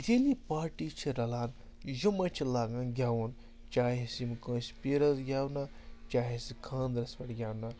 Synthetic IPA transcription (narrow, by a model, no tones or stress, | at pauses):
d͡ʒeːlipaːɾʈiːt͡ʃʰiɾɐlaːn | jumɐt͡ʃʰilaːɡãnɡʱʲjaːʋun | t͡ʃaːɦisimkõːnspeːɾɐsɡʲjaːʋna | t͡ʃaːɦiskʰãːnd̪ɾɐsʋɐʈɡʲjaːʋna